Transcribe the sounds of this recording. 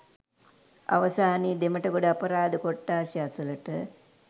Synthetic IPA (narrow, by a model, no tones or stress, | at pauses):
ɐ̰ʋɐsaːniːd̪eməʈɐɡoɖəapɐɾaːd̪əkoʈːaːʃaːsulɐʈə